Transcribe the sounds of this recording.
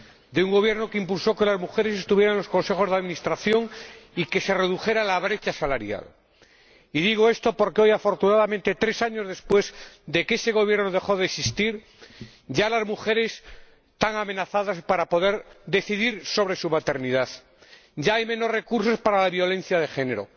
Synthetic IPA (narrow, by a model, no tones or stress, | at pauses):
d̪euŋɡo̞β̞je̞ɾnokeimpulso̞ke̞lazmuxe̞ɾe̞s̬e̞st̪uβje̞ɾaẽlosko̞nse̞xo̞zðaðmĩnist̪ɾaθjo̞ŋike̞se̞re̞ðuxe̞ɾalaβɾe̞t͡ʃasalaɾja̰l | iðiɣ̞oe̞st̪o̞po̞ɾkeo̞jafo̞ɾt̪unaðamẽnt̪e̞t̪ɾe̞saɲo̞zðe̞spwe̞zd̪e̞kese̞ɣo̞βjeɾnoð̞e̞xo̞ðeksist̪iɾ | ɟ͡ʝalazmuxe̞ɾe̞s | t̪aŋame̞naθaðaspaɾapo̞ðe̞ɾd̪e̞θiðiɾso̞β̞ɾe̞sumat̪e̞ɾniðað | ɟ͡ʝaajmẽ̞no̞rre̞kuɾso̞spaɾalaβjo̞lẽ̞n̟θjaðe̞xe̞ne̞ɾo̞̰